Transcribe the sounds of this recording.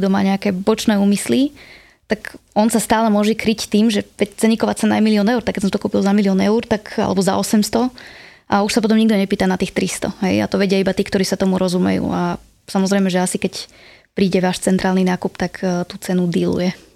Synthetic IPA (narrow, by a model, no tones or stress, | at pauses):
ɡd̪ɔma̰ːɲɛakɛːbɔt͡ʃnɛːuːmisli | t̪akɔnsast̪aːlɛmʊɔʒɛkɾict̪iːmʒɛʋɛct͡sɛɲikɔʋaːt͡sɛnajɛmiliɔnɛʊuɾt̪akːɛtsɔmt̪ɔkuːpilzamiliɔnɛuːɾt̪aka̰lɛ̰bɔza̰ʔɔsɛmst̪ɔ | ʔauʃsapɔt̪ɔmɲiɡ̚d̪ɔɲɛpiːt̪anat̪iːxt̪ɾist̪ɔ̰ɦɛja̰t̪ɔʋɛɟɪɛibat̪iːkt̪ɔɾiːsat̪ɔmuɾɔzumɛ̰jṵːa | samɔzɾɛɪmɛʒɛasikɛc | pɾiːɟɛʋaːʃt͡sɛnt̪ɾaːlninaːkupt̪akt̪ut͡sɛnud̪ilṵjɛ